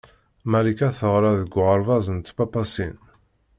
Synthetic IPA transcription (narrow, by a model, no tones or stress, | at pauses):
mæɾikæθəʁɾˤaðəɡʷːʁəɾˤvɑzənt̪bɑpɑsḭn